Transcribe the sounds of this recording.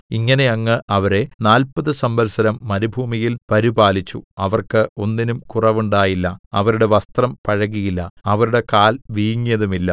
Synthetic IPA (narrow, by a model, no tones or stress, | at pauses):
iŋːɐne̞ɐŋːɨʔɐʋɐɾe̞naːlpɐðɨsɐmbɐlsɐɾɐmːɐnubʱuːmijilpɐɾibaːlit͡ɕːuɐʋɐrkɨo̞nːinumkurɐʋuɳɖaːjilːɐɐʋɐɾuɽe̞ʋɐst̪rɐmpɐɻɐɣijilːɐ̰ɐʋɐɾuɽe̞kaːlʋiːŋːijɐðumilːɐ